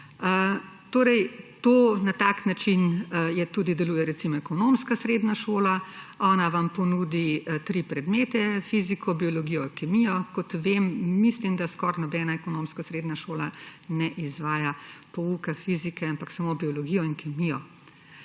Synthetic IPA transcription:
ə | t̪oːɾɛjt̪oːnat̪aːknat͡ʃinjɛt̪ud̪id̪ɛluːjɛɾɛsimɔɛkɔnomskasɾed̪naʃoːlaɔːnaʋampɔnud̪it̪ɾipɾɛd̪meːt̪ɛfizikʰɔbiɔlɔɡijɔikɛmijɔkɔt̪ʋemːislimd̪askɔːɾnɔbɛːnaɛkɔnoːmskasɾeːd̪naʃoːlanɛʔizʋaːjapɔukafizikɛampaksamobiɔlɔɡijɔinkɛmijɔ

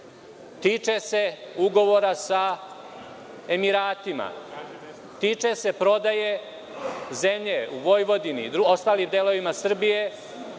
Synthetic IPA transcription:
t̪iːt͡ʂese̞uɡo̞ʋo̞ɾasa | e̞miɾaːt̪ima̰ | t̪iːt͡ʃese̞pɾo̞d̪aje | zemʎeuʋo̞jʋo̞d̪inḭd̪ɾuo̞st̪aːlimd̪elo̞ʋimasr̩bije̞

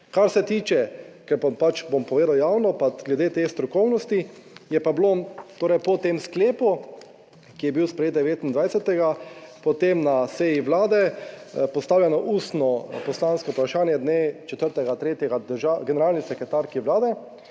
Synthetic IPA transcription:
kaɾsɛt̪iːt͡ʃɛkɛɾpapat͡ʃbompɔʋeːd̪awjaːwnɔpaɡlɛd̪eːt̪est̪ɾɔkɔwnɔst̪ijɛpablot̪oːɾɛjpɔt̪emskleːpu | kijɛbiwspɾɛjetd̪d̪ɛʋeːt̪ind̪ʋajsʲɛt̪ɛɡapɔt̪emnasɛjiʋlaːd̪ɛpɔst̪aːwlʲjanɔʔuːst̪nɔpɔslanskoupɾaʃaːnjɛd̪net͡ʃɛt̪əɾt̪ɛɡat̪ɾeːt̪jɛɡad̪əɾʒaɡɛnɛɾaːlnisɛkɾɛt̪aɾkiʋlaːd̪ɛ

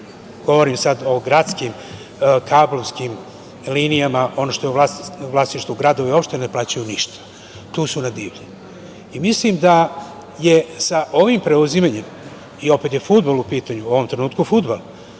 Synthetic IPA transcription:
ɡ̥o̞ʋo̞ɾimsad̪o̞ɡɾat̪skim | kʰaːblo̞ʋskim | liːnijamaʔo̞no̞ʃt̪o̞jelaʋlˠasniʃt̪vuɡɾad̪o̞ʋeo̞pʃt̪eneplaːt͡ɕajuniʃt̪ḁ | t̪uːsunad̪iːʋʎi | imislimd̪a | je̞saʔo̞ʋimpɾe̞uzimaɲem | io̞pet̪je̞fud̪balupiːt̪aɲuo̞ʋo̞mt̪ɾe̞nuːt̪̚kufud̪bal

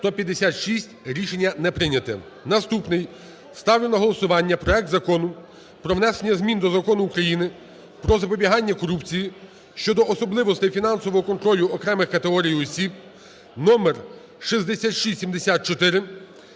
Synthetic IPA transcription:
st̪ɔpʲjɐd̪ːesʲat̪ʃisʲtʲɾʲiʃenʲːɐnɛpɾɪnʲɐt̪ɛ̰ | nɐst̪upnɪj | st̪ɑwlʲelɐɦɔlˠɔsʊʋɑnʲːɐpɾɔɛk̚t̪zɐkɔnʊ | pɾɔʋwnɛsenʲːɐzmʲind̪ɔzɐkɔnʊːkɾɐjinɪ | pɾɔzɐpɔbʲiɦɑnʲːɐkɔɾupt͡sʲiji | ʃt͡ʃɔd̪ɔʔɔsɔblˠɪʋɔst̪ɪjfʲinɑnsɔʋɔɦɔkɔnt̪ɾɔlʲʊɔkɾɛmɪxkɐt̪eɦɔɾʲijiɔsʲib̚ | nɔmer | ʃizd̪esʲat̪ʃisʲsʲimd̪esʲat̪̚t͡ʃɔt̪ɪɾɪ

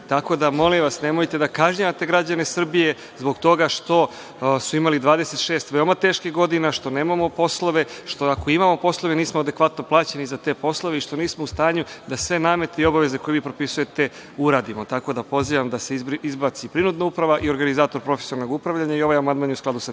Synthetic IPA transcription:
t̪ako̞d̪amo̞limʋasnemojt̪e̞d̪akaʒɲaat̪e̞ɡɾad͡ʑane̞sr̩bije̞ | zbo̞ɡt̪o̞ɡaʃt̪o̞ | suimalid̪ʋaːd̪ese̞t̪ʃeːst̪ʋe̞omat̪e̞ːʃkiɣɡo̞d̪inaʃt̪o̞ne̞ːmamo̞po̞slˠoʋe̞ʃt̪oako̞imamo̞po̞slˠo̞ʋe̞niːsmoad̪e̞kʋat̪no̞plˠaːt͡ɕe̞nizat̪e̞ːpo̞slˠo̞ʋeiʃt̪o̞niːsmoust̪aːɲud̪asʋe̞naːme̞t̪eio̞baʋe̞ze̞kojeʋiːpɾo̞pisuje̞t̪e̞ | uɾaːd̪imo̞t̪ako̞d̪apo̞ziːʋamd̪aseizbat̪sipɾinud̪naupɾaʋaʔio̞ɾɡanizaːt̪o̞ɾpɾo̞fesoɾno̞ɡupɾaʋʎaɲaio̞ʋajamand̪maːnjusklad̪usa

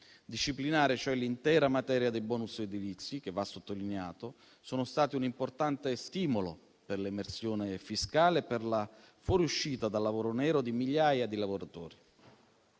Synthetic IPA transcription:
d̪iʃːiplinaːɾɪt͡ʃoɛlːint̪ɛːɾamat̪ɛːɾjad̪elbɔːnused̪ilit̪sːik̟evːasːot̪ːolinea̰ːt̪o | soːnʊst̪aːt̪iunimport̪ant̪est̪iːmolo | perlemersjoːnefiskaːleperla | fɔːɾiuʃːiːt̪ad̪alːavoːɾonɛːɾod̪imiʎːaːjad̪ilavoɾat̪ɔːɾi

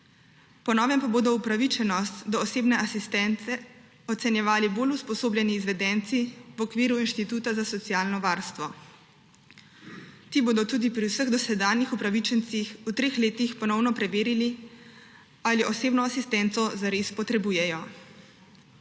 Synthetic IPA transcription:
pɔnɔːʋɛmpaboːd̪ɔupɾaʋit͡ʃɛnɔst̪d̪ɔːseːbnɛasist̪ɛnt̪sɛ | ɔt̪sɛnjɛʋaːliboːluspɔsoːblʲjɛniːzʋɛd̪ɛnt̪siwɔkʋiːɾuinʃt̪it̪uːt̪azasɔt̪siaːlnɔʋaːɾst̪ʋɔ | t̪iːboːd̪ɔt̪uːd̪ipɾiwsəɣd̪ɔsɛd̪aːnjixupɾaʋit͡ʃɛnt̪sixut̪ɾeːxleːt̪ixpɔnɔwnɔpɾɛʋeːɾili | aliʔɔseːbnɔasist̪ɛnt̪sɔzaɾespɔt̪ɾɛbuːjɛjɔ

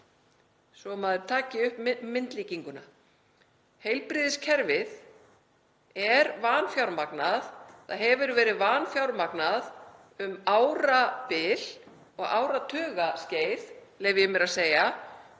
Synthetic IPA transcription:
sɔmaːðʏɾ̥t̪ʰaːcɪʏhpmɪnt̪liːciŋkʏna | hejlpɾɪːðɪscʰɛɾvɪð | ɛɾvaːnfjawɾmaknaðθaðɦɛvʏɾvɛːɾɪðvaːnfjawɾmaknað | ʏmaːwɾapɪl̥ | ɔɣa̰ːwɾat̪ʰœːɣascejðlɛːɣvɪjɛmɛɾaðseːja

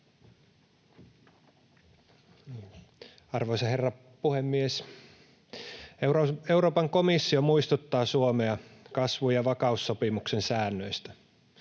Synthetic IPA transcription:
ɑrʋoisɑherːɑ | puhemːies | eoeuɾoːpɑŋkomisːiomuist̪ut̪ːɑːsuomeɑkɑsʋujɑʋɑkɑusːopimuksensæːnːøist̪æ

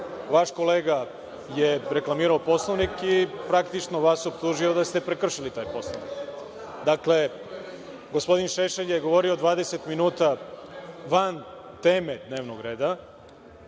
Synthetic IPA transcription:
ʋaʃko̞le̞ːɡa | je̞ɾe̞klˠamiːɾaopo̞slˠoʋnikipɾakt̪it͡ʃnoʋasopt̪uːʒio̞d̪ast̪e̞pɾekr̩ʃilit̪aːjpo̞sloʋnḭk | d̪akle̞ | ɡospo̞d̪inʃeʃeʎjeɡo̞ʋo̞ɾio̞d̪ʋaːd̪e̞set̪minuːt̪a | ʋan | t̪e̞ːme̞d̪ne̞ːʋnoɡɾe̞ːd̪a

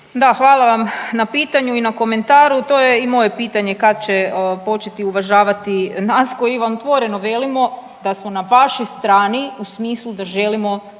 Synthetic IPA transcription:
d̪axʋaːlˠaʋamnapiːt̪aɲuinako̞me̞nt̪aːɾut̪o̞jeimo̞je̞piːt̪aɲe̞kad̪t͡ɕepo̞t͡ʃe̞t̪iuʋaʒaːʋat̪inaskojiiʋamot̪ʋoɾenoʋe̞limo̞ | d̪asmo̞naʋaʃojst̪ɾaːniusmiːslˠud̪aʒe̞limo̞

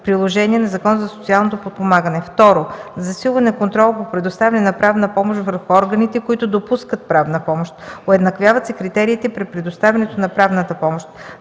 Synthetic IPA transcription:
pɾilˠoʒɛniɛnɐzɐkɔnəzɐsot̪sialˠnot̪opot̪̚pomaɡənɛft̪ɔɾozɐsilˠvɐnɛkont̪ɾɔlˠpopɾɛd̪ʊst̪avʲɐnɛnɐpɾavnəpɔmoʃt̪vəɾxuɔɾɡənit̪ɛkoit̪ʊd̪opuskət̪̚pɾavnəpɔmoʃt̪oɛd̪nɐkvʲjavɐt̪sɛkɾit̪ɛɾiːt̪ɛpɾɛt̪̚pɾɛd̪ʊst̪avʲɛnɛt̪onɐpɾavnət̪əpɔmoʃt̪

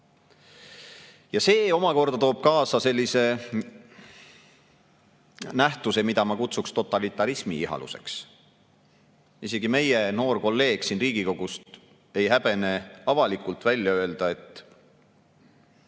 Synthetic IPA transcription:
jɑse̞ːo̞mɑko̞rd̪ɑt̪o̞ːb̥̚kɑːsɑse̞lʲːise̞ | næht̪use̞mid̪̥ɑmɑkut̪sukst̪o̞t̪ːˑɑlit̪ːˑɑɾismiiɦɑ̰lṵse̞̰ks | ise̞ɡ̥ime̞jeno̞ːrko̞lːe̞ːɡ̥siːnriːɡ̥iko̞ɡ̥ust̪ | e̞jɦæb̥e̞ne̞ɑvɑlikˑult̪vælʲjɑø̞e̞ld̪̥ɑe̞t̪ːˑ

